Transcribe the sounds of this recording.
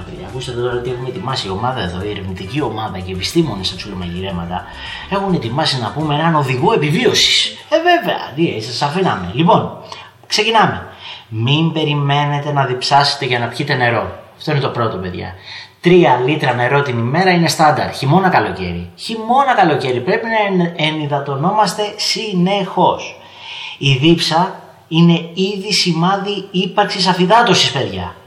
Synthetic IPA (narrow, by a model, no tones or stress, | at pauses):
pḛðʝɐ̰ːkust̪et̪et̪o̞ɾɐot̪ie̞xunet̪imɐsio̞mɐðɐe̞ðo̞ieɾivnit̪icio̞mɐðɐce̞ːpist̪imo̞nisɐt͡sʰulemɐʝiɾe̞mɐt̪ɐ | e̞xunet̪imɐsinɐpumeenɐno̞ðiɣue̞pivio̞si̥s | eve̞ve̞ɐ̰t̪iesɐsɐfinɐmelipo̞n | kse̞cinɐme̞mimbe̞ɾime̞ne̞t̪e̞nɐðipsɐse̞̥t̪e̞ʝɐnɐpçit̪e̞ne̞ɾo̞ɐft̪o̞inet̪o̞pɾo̞t̪ope̞ðʝɐ̰t̪ɾiɐlit̪ɾɐne̞ɾo̞t̪inime̞ɾɐine̞st̪ɐnd̪ɐ̰ɾt̪çimo̞nɐkɐlo̞ce̞̰ɾḭçimo̞nɐkɐlo̞ce̞ɾipɾe̞pinɐeniðɐt̪o̞no̞mɐst̪e̞sinexo̞s | iðipsɐ | ine̞iðisimɐðiipɐɾksisɐfiðɐt̪osispe̞ðʝɐ̰